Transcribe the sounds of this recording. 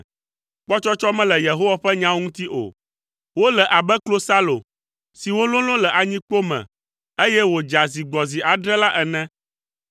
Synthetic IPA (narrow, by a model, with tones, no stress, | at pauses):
k͡pɔ˦t͡ʃɔ˦t͡ʃɔ˦mɛ̃˦lɛ˨je˨ɦo˦wa˦ɸɛ˦ɲã˦ŋũ˦t̪i˦ʔo̰˨ | wo˦lɛ˨ʔa˨bɛ˦klo˦sa˦lo̰˨ | si˨wo˦lõ˦lɔ̃˦lɛ˨ʔa˨ɲĩ˦k͡po˦mɛ̰̃˨ | e˦jɛ˦wo˨d͡ʒa˨zi˨ɡ͡bɔ˨zi˨ʔa˨ɖɾɛ˦la˦ʔɛ˨nɛ̃˦